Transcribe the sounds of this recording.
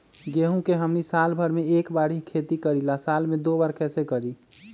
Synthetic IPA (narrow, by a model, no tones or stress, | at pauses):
ɡeɦũkeɦəmnisalbʱəɾmeekbaɽikʰet̪ikəɾilasalmẽd̪obaɾkɛsekəɾi